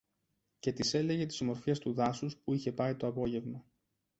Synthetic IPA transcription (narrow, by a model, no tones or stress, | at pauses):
ce̞t̪ise̞le̞ʝe̞t̪i̥zmo̞ɾfest̪uðɐsuspuiçe̞pɐit̪o̞ɐpo̞ʝe̞vmɐ